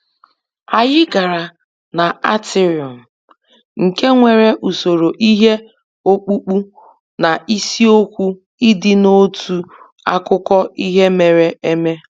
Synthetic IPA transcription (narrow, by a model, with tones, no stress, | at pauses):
a˨jɪ˦ɡa˨ɾa˨ | na˨a˦tɪ˦ɾjɔ˨m̩˨ | ŋ̩˨ke˦ŋʷe˨ɾe˦ʔu˨so˨ɾo˨ʔi˦ɦe˦ | o˦k͡pu˦k͡pu˦ | na˨ʔi˦si˦o˦kʷu˦ | ɪ˦dɪ˦no˦tʰu˦ | a˦kʊ˦kɔ˦i˦ɦe˦me˨ɾe˦e˦me˦